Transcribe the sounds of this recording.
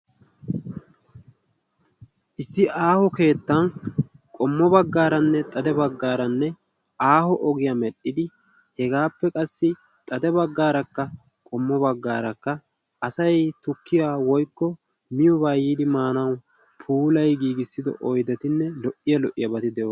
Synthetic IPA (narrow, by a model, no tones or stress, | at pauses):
ʔɪsːɪʔaːhɔke̞ːt̪ːɐn | kʼɔmːɔbɐɡːaːɾɐnːɛt̪ʼɐd̪ɛbɐɡːaːɾɐnːɛ | aːhɔʔɔɡɪjɐmɛɗːɪd̪ɪ | hɛɡaːpːɛkʼɐsːɪ | t̪ʼɐd̪ɛbɐɡːaːɾɐkːɐ | kʼɔmːɔbɐɡːa̰ːɾɐkːɐː | sɐjt̪ʊkːɪjaːwɔjkːɔ | mɪjɔbaːjiːd̪ɪmaːnɐw | pʰuːlɐjɡiːɡɪsːɪd̪ɔ̰ʔɔjd̪ɛt̪ɪnːɛlɔʔːɪjɐlɔʔːɪjɐbɐt̪ɪd̪ɛo